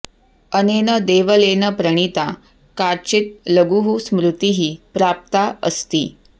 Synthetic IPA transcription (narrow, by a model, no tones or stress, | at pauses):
ənenəd̪eʋəlenəpɾəɳ̃it̪a | kaɾt͡ɕit̪̚ləɡuɦusmɾut̪iɦiːpɾap̚t̪aəst̪ḭː